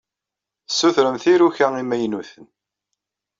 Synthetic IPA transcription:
θsːuθɾəmθiɾuçæimæjnuθən

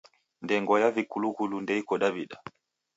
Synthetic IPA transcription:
ndɛŋɡɔjavikulukulundɛikɔɗaβiɗa

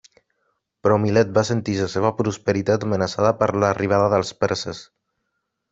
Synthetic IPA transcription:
pɾɔmilɛt̪̚basənt̪isəseβəpɾuspəɾit̪at̪əmənəsaðəpəɾləriβ̞aðəðəlˠspɛɾsəs

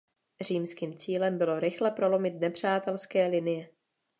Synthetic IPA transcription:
r̝iːmskiːmt͡siːlɛmbɪlo̞ɾɪxlɛpɾo̞lo̞mɪt̪nɛpr̝̥aːt̪ɛlskɛːlɪnɪjɛ

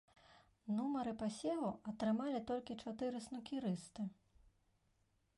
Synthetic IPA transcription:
numɐɾɨpasʲɛlˠuɐt̪ɾɨmalʲit̪ɔlʲkʲit͡ʂat̪ɨɾɨsnukʲiɾɨst̪ɨ

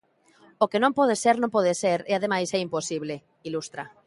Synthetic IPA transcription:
okenõmpɔð̞eseɾnõmpɔð̞eseɾeaðemajsɛimposiβle | ilust̪ɾa̰

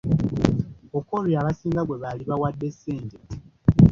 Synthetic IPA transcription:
okoliaβasiːŋɡaɡwe̞βaliβawadːe̞sːeːɲɟe

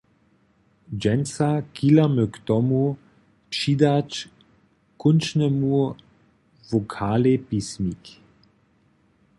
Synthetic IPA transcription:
d͡ʒɛnsakilamøkt̪ɔmu | pʂid̪at͡ʃ | kʊnt͡ʃnɛmu | vokʰaːlepismik

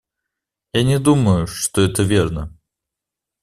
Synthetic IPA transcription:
janʲɪd̪uməjʊʂt̪oɛt̪əvʲernə

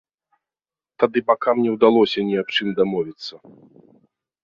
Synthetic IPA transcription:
t̪ad̪ɨbakamnʲɛwd̪alˠɔsʲɐnʲiapt͡ʂɨmd̪amɔvʲit̪sːɐ

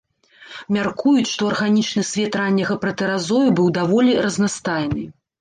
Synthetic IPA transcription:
mʲarkujut͡sʲʂt̪ɔɐrɣanʲit͡ʂnɨsʲvʲɛt̪ɾanʲːɐɣɐpɾɐt̪ɛɾazɔjubɨwd̪avɔlʲirɐznast̪ajnɨ

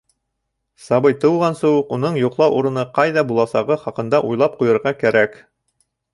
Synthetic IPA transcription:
sɑβɤjt̪ɤ̆wʁɑnsuqunɤɴjuqlˠɑwʔuɾɤ̆nɤqɑjðɑbulˠɑsɑʁɤχɑqɤ̆nd̪ɑʔujlˠɑp̚qujɤ̆ɾʁɑkæɾæk

